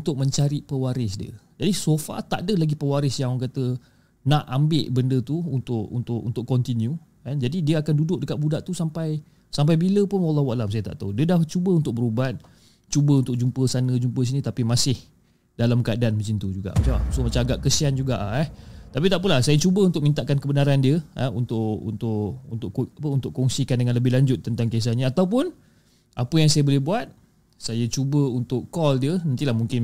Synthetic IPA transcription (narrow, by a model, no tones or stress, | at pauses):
unt̪ʊk̚mə̃ɲt͡ʃaɾiʔpəwaɾɪsdiə̰d͡ʒadisofa̰t̪a̰ʔdəlaɡipəwaɾɪsjaŋkat̪ə | naʔambɪʔbəndət̪uunt̪ʊʔunt̪ʊʔṵnt̪ʊʔkɔnt̪inju | kand͡ʒadidiəakandudʊk̚dəkaʔ̪̚budaʔt̪usampaj | samp̬ajbiləpʊnwalˠːahwaʔlams̬ajət̪a̰ʔt̪audiədaht͡ʃubəunt̪ʊk̚bəɾubat̪̚ | t͡ʃubəunt̪ʊk̚d͡ʒumpəsanəd͡ʒumpəs̬inĩt̪apimasɪh | dalamkəadanməsint̪ud͡ʒuɡa̰ʔmat͡ʃamamasʊmat͡ʃaaɡaʔkəsiand͡ʒuɡaʔɛht̪apit̪aʔpəlahsajat͡ʃubəunt̪ʊkmint̪aʔkankəbənaɾandiəaunt̪ʊʔṵnt̪ʊʔunt̪ʊʔapəunt̪ʊʔkɔŋsikandəŋanləbɪhlaɲd͡ʒʊt̪ːənt̪aŋkes̬aɲaat̪awp̬ʊn | ʔapəjaŋsajabolɛhbuat̪̚ | sajat͡ʃubəunt̪ʊkkɔldiənant̪ilahmuŋkɪn